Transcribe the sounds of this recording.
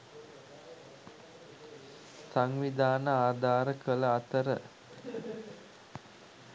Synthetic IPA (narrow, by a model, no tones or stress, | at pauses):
saŋʋid̪aːnəaːd̪ʱaːɾəkələat̪əɾə